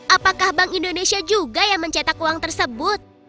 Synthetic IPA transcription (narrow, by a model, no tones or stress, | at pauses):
ʔapakahbaŋindonesiad͡ʒuɡajaŋməɲt͡ʃat̪akuwaŋt̪ərsəbʊt̪̚